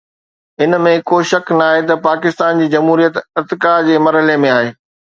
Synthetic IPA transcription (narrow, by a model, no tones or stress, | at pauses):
ɪnmẽkoːʃɐknaːɦet̪ɐpaːkɪst̪aːnd͡ʑiːd͡ʑɐmɦuːɾijət̪ɪɾt̪ɪkad͡ʑeːmɐɾɦəlemẽaːɦeː